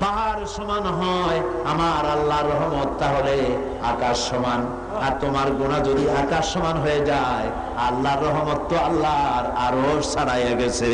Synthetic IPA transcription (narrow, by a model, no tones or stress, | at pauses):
paɦaɾʃɔmanɦɔj | amaɾalːaɾːɔɦmot̪t̪ːaɦole | akaʃːɔman | aɾt̪omaɾɡonad͡ʑod̪iakaʃːɔmanɦojed͡ʑae | alːaɾːɔɦmot̪ːoalːaɾa̰ɾoɾʃsaɽajeɡet͡ɕʰe